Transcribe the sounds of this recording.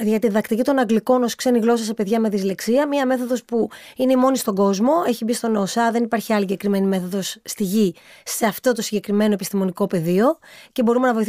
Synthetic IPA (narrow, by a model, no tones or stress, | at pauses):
ðʝɐt̪iðɐkt̪icit̪o̞nɐɡliko̞no̞skse̞niɣlo̞s̬ɐsepe̞ðʝɐmeðizle̞ksiɐmiɐme̞θo̞ðo̞spuine̞imo̞nist̪o̞ɡo̞zmo̞e̞çibist̪o̞no̞sɐðe̞nipaɾçiɐliɲɟe̞kɾime̞nime̞θoðo̞sːt̪iʝise̞ɐft̪o̞t̪o̞siɟe̞kɾime̞noepist̪imo̞niko̞pe̞ðio̞cebo̞ɾume̞nɐvo̞iθ